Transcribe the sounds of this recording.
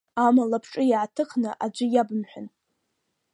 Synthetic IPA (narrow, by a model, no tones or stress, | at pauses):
amalapʰʈ͡ʂʼɨjʕatʰɨχʰnɨʔad͡ʒʷɪjabɨmħʷᶣʊn